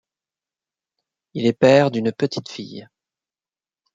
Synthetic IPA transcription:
ilɛpɛʁd̪ynpət̪ʰi̥t̪fḭj

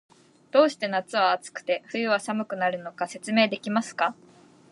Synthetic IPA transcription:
d̪̥o̞ːɕi̥t̪e̞nat͡sɨβaːt͡sɨ̥kɯ̟̥t̪e̞ɸɯ̟jɯ̟βasamɯ̟kɯ̟naɾɯ̟no̞kase̞t͡sɨme̞ːd̪e̞kʲimasɨ̥ka

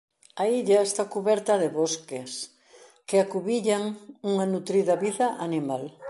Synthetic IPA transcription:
ɐiʎaest̪akuβɛɾt̪ɐðɪβoskes | kɪakuβiʎaŋuŋɐnut̪ɾiðɐβiðɐʔanimal

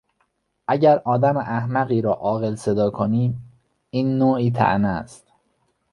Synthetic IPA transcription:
ʔæɟæɾʔɒːd̪æmeʔæhmæɣiːɾɒːʔɒːɣe̞lse̞d̪ɒːkʰoniːm | iːnːoːʔiːt̪ʰæ̰ʔnæ̰st̪

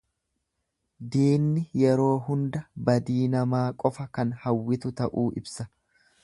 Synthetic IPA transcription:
d̪iːnːɪjɛɾo̞ːɦʊnd̪ɐbɐd̪iːnɐmaːkʼɔfɐkɐnhɐwːɪt̪ʊt̪ɐʔuːʔɪ̰bsɐ

